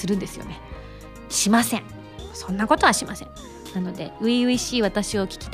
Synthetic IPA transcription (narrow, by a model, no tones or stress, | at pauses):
sɨɾɯ̟̃nd̪e̞sɨjo̞̰ne̞ | ɕimasẽ̞ɴ | sõ̞nːako̞t̪o̞β̞aɕimasẽ | nano̞d̪e̞̰ɯ̟iɯ̟iɕiːβ̞at̪aɕio̞kʲi̥kʲi̥t̪